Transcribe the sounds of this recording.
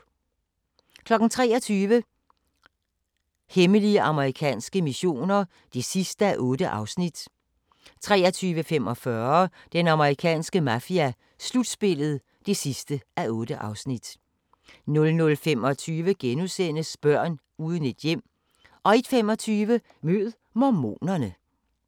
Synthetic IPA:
kʰlɒ̽ɡ̥n̩t͡sʰʁɛ̰ːɐt͡sʰyːʋə | heməliəʔɑ̈məʁikʰɛ̰ːnsɡ̥əmiɕo̝̰ːnɐ | d̥e̝sisd̥əæʔɔ̽ːd̥əʔɑ̈ʊsnid̥ | t͡sʰʁɛːɐt͡sʰyːʋəfemɒ̽fɶɐd̥enɑ̈məʁikʰɛ̰ːnsɡ̥əmæfiæ | slud̥sb̥e̝lð̞̩ˠ | d̥e̝sisd̥əæʔɔ̽ːd̥əʔɑ̈ʊsnid̥ | nɔ̽lnɔ̽lfemɒ̽t͡sʰyːʋəɡ̥enusen̰əsb̥ɶɐ̰n | uːð̞ˠəne̝d̥jem̰ | ʔɒ̽e̝d̥femɒ̽t͡sʰyːʋə | møð̩ˠmɒmo̝̰ːnɐnə

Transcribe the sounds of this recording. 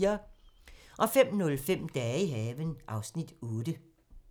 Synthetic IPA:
ɐ | ʔɒ̽fem̰nɔ̽lfem̰d̥ɛːiɦɛːʋənʔɑ̈ʊsnid̥ɔːd̥ə

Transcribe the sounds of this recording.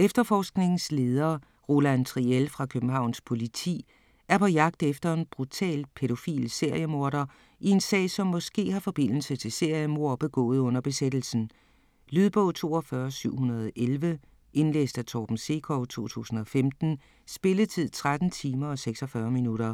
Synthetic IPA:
efd̥ɐfɒːsɡ̥ne̝ŋn̩sle̝ːð̞ˠɐː | ʁo̝lænt͡sʰʁielfʁɑ̈kʰøb̥m̩ɦɑ̈ʊ̰nspʰo̝lit͡sʰḭː | æɐpʰɒ̽jɑ̈ɡ̥̚d̥efd̥ɐe̝nb̥ʁut͡sʰɛ̰ːlpʰe̝ɾo̝fḭːlse̝ɐ̰jəmo̝ɐɾɐ | ie̝nsɛ̰ːɪsɒ̽mːɒ̽sɡ̥e̝̰ːɦɑ̈fɒ̽b̥e̝n̰l̩sət͡sʰe̝se̝ɐ̰jəmo̝ɐ̰b̥e̝ɡ̥ɔ̰̽ːð̞̩ˠɔ̽n̰ɐb̥e̝sed̥l̩sn̩ | lyðˠb̥ɔ̰̽ːt͡sʰo̝̰ːɒfɶːɐsyʊ̰hunɐðˠʔelʋə | ʔe̝nlḛːsd̥æt͡sʰɒːb̥n̩se̝̰ːkʰɒʊt͡sʰo̝̰ːt͡sʰṵːsn̩ɒ̽femd̥n̩ | sb̥e̝lət͡sʰið̰ˠt͡sʰʁad̥n̩t͡sʰiːmɐɒ̽seɡ̥sɒ̽fɶːɐminuɾɐ

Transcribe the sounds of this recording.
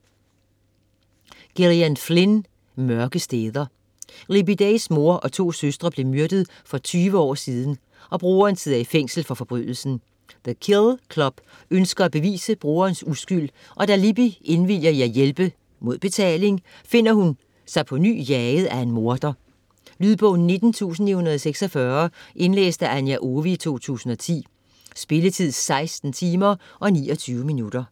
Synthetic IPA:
ɡ̥eʁiænflen | mɶɐɡ̥əsd̥eːðˠɐ | ʁibid̥eɪsmo̝ɐʔɒ̽t͡sʰo̝̰ːsøsd̥ʁɐb̥le̝myɐd̥əðˠ | fɒ̽t͡sʰyːʋəɒ̰ːsiːðˠn̩ | ʔɒ̽b̥ʁoːɐːnseðˠɐifeŋ̰sl̩fɒ̽fɒ̽b̥ʁy̰ð̰ˠl̩sn̩ | ðəkʰelkʰlɒ̽b̥ | ønsɡ̥ɐæb̥e̝ʋḭːsəb̥ʁoːɐːnsusɡ̥yl̰ | ʔɒ̽d̥ælib̥ie̝nʋil̰jɐjɑ̈jelb̥ə | mo̝ð̞̰ˠb̥e̝t͡sʰɛ̰ːle̝ŋ | fe̝n̰ɐhun | sɑ̈ɪpʰɒ̽ny̰ːjɛð̩ˠæe̝nmo̝ɐd̥ɐ | lyːðˠb̥ɔ̰̽ʊn̩nːe̝d̥n̩t͡sʰṵːsn̩ihunɐðˠseɡ̥sɒfɶɐʔe̝nlḛːsd̥əʔænjæʔoʋiːt͡sʰo̝̰ːt͡sʰṵːsn̩ɒ̽t͡sʰḭː | sb̥e̝lət͡sʰið̰ˠsɑ̈ɪsd̥n̩t͡sʰiːmɐʔɒ̽nḭːɒt͡sʰyːʊəminud̥ɐ

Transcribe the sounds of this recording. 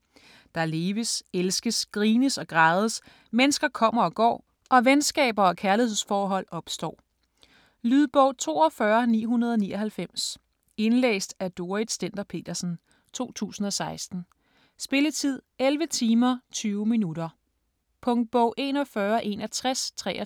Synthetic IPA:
d̥ɑ̈le̝ːʋəselsɡ̥əsɡ̥ʁiːnəsɒ̽ɡ̥ʁɑ̈ːð̞ˠəs | menəsɡ̥ɐkʰɒ̽m̰ɐɒ̽ɡ̥ɒ̰ː | ʔɒ̽ʋensɡ̥ɛ̰ːb̥ɐɒ̽kʰæɐlihe̝ð̰ˠsfɒːɦɒ̽l̰ɒ̽b̥sd̥ɒ̰ː | lyð̞ˠb̥ɔʊ̰t͡sʰo̝̰ːɒ̽fɶɐnḭːɦunɐð̞ˠɒnḭːɒ̽ɦælfem̰s | e̝nlḛːsd̥æd̥o̝ːɐið̥sd̥en̰d̥ɐpʰe̝̰ːd̥ɐsn̩ | t͡sʰo̝̰ːt͡sʰṵːsn̩ɒ̽sɑ̈ɪsd̥n̩ | sb̥e̝lət͡sʰið̞̰ˠelʋət͡sʰiːmɐt͡sʰyːʊminuɾɐ | pʰɔ̽ŋd̥̚b̥ɔʊ̰ʔe̝nɒ̽fɶːɐʔe̝næt͡sʰʁast͡sʰʁɛ̰ː

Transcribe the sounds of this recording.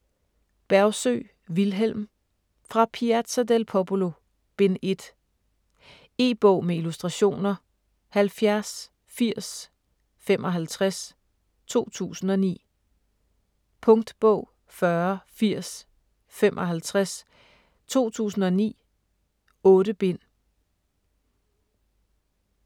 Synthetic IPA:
b̥æɐʊsø̰ | ʋilɦel̰m | fʁɑ̈pʰiæ̥sʰæd̥elpʰɒb̥olo̝ | b̥e̝ne̝d̥ | e̝̰ːb̥ɔʊ̰meilusd̥ʁɑ̈ɕo̝̰ːnɐ | hælfjæɐs | fiɐ̰s | fem̰ʔɒ̽ɦælt͡sʰʁas | t͡sʰo̝̰ːt͡sʰṵːsn̩ɒ̽nḭː | pʰɔ̽ŋd̥b̥ɔʊ̰ | fɶɐfiɐ̰s | femʔɒ̽ɦælt͡sʰʁas | t͡sʰo̝̰ːt͡sʰṵːsn̩ɒ̽nḭː | ɔ̽ːɾəb̥e̝n̰

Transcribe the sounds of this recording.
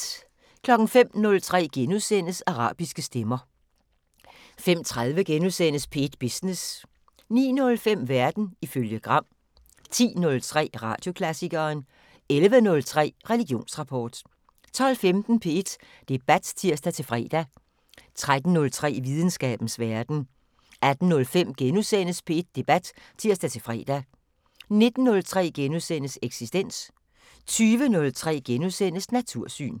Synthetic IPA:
kʰlɒ̽ɡ̥n̩fem̰nɔ̽lt͡sʰʁɛ̰ːɡ̥enuðˠsen̰əsɑʁɑ̰̈ːb̥isɡ̥əsd̥emɐ | fem̰t͡sʰʁað̞ˠʋəɡ̥enuðˠsen̰əspʰe̝d̥b̥isnes | nḭːnɔ̽lfem̰ʋæɐd̥n̩iføljəɡ̥ʁɑ̈m̰ | t͡sʰḭːnɔ̽lt͡sʰʁɛ̰ːʁɑ̰̈ːd̥jo̝kʰlæsiɡ̥ɐːn | elʋənɔ̽lt͡sʰʁɛ̰ːʁɛliɡ̥jo̝̰ːnsʁɑ̈pʰɒ̰ːd̥ | t͡sʰɒ̽l̰femd̥n̩pʰe̝e̝d̥ | d̥e̝b̥æd̥t͡sʰiɐ̰sd̥æt͡sʰe̝lfʁɛ̰ːd̥æ | t͡sʰʁad̥n̩ːɔ̽lt͡sʰʁɛ̰ːʋið̞ˠn̩sɡ̥ɛ̰ːb̥n̩sʋæɐd̥n̩ | ʔæd̥n̩nɔ̽lfem̰ɡ̥enusen̰əspʰee̝d̥̚ːe̝b̥æd̥ | t͡sʰiɐ̰sd̥æt͡sʰe̝lfʁɛ̰ːd̥æ | ne̝d̥n̩ːɔ̽lt͡sʰʁɛ̰ːɡ̥enusen̰əseɡ̥sisd̥en̰s | t͡sʰyːʋənɔ̽lt͡sʰʁɛ̰ːɡ̥enusen̰əsnæt͡sʰuɐ̰sy̰ːn

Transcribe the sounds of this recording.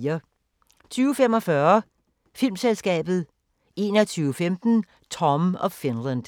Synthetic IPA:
ɐ | t͡sʰyːʊfemɒ̽fɶɐ | fil̰mselsɡ̥ɛ̰ːb̥ð̞̩ˠ | e̝ːnɒt͡sʰyːʊfemd̥n̩ | t͡sʰɒ̽mɒ̽fenlænd̥

